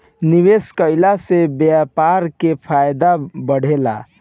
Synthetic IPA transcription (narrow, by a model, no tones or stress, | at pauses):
niʋeskəjlasebjapaɾkepʰajd̪abəɽ̤ela̰